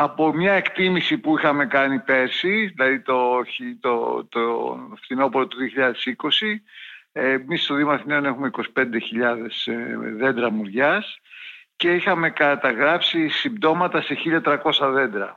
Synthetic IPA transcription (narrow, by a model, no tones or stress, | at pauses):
ɐpo̞mɲɐe̞kt̪imisipuixɐme̞kɐnipe̞ɾsiðilɐðit̪o̞çit̪ot̪oft̪ino̞poɾot̪uðio̞çiʎɐðe̞siko̞si | misst̪oðiomɐθineone̞xume̞iko̞si̥pe̞nd̪e̞çiʎɐðe̞sðe̞nd̪ɾɐmuɾʝɐsce̞ixɐme̞kɐt̪ɐɣɾɐpsisimbd̪o̞mɐt̪ɐse̞çiʎɐt̪ɾɐko̞sɐðe̞nd̪ɾɐ